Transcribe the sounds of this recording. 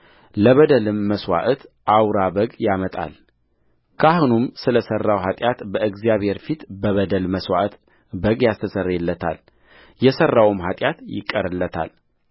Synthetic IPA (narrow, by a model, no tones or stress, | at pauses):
ləβəd̪əlɨmːəswa̰ʔt̪ʔawɾabəɡjamət̪ʼa̰l | kʰahunumsɨləsərːawɦat̪ʼjat̪bəɨɡzijaβhe̞ɾfit̪bəβəd̪əlməswa̰ʔt̪ | bəɡjast̪ʰəsərːɛlːət̪ʰa̰l | jɛsərːawɨmɦat̪ʼjat̪jɪ̰kʼːəɾɨlːət̪ʰa̰l